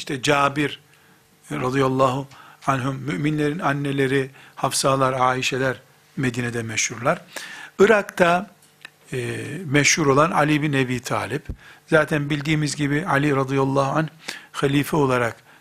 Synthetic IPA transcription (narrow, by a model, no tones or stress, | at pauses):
iʃt̪ʰɛd͡ʒaːbiɾ | ɾɑd̪ijalˠːaːɦuanɦuːyʔminlʲe̞ɾinanːelʲe̞ɾihafsalˠaɾaːiʃelʲæɾ | med̪iːnɛd̪ɛmɛʃhuɾlˠaɾɯɾakt̪ʰa | mɛʃhuɾo̞lˠana̰lʲibinebiːt̪ʰa̰ːlʲipzaːt̪ʰænbilʲd̪iːmizɟibialʲiɾɑd̪ijalˠːaːhuanhxalʲiːfɛo̞lˠaɾak